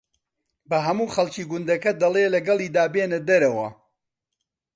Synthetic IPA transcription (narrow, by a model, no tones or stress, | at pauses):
bɐɦɐmuːχɐlˠt͡ʃiːɡʊnd̪ɐkɐd̪ɐlˠeːlɐɡɐlˠiːd̪aːbeːnɐd̪ɐɾɐwɐ̰